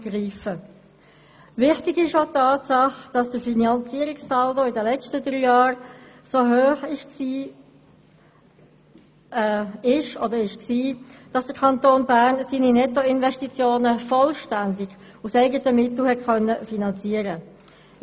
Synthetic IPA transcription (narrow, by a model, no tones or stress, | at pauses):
ɡ̥riːfə | vɪχtɪɡɪʃotɑːtsɑχd̥ɑsd̥əɾfinɑnt͡siəɾɪkssɑldoɪdəlɛt͡stədɾyːjɑːɾsoɦøːχɪʃksiː | ɪʃɔdəɾɪʃksiːd̥ɑsd̥əkʰɑntoːnbæʁnsiːninɛtoɪnvɛʃtit͡sjoːnəfɔlʃtændɪɡ̥ | usɛɪɡətəmɪt̪l̩hɛtkœnːəfinɑnt͡siːəɾə